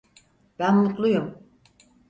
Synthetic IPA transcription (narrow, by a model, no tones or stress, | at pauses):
b̥ænlˠuk̪lˠujum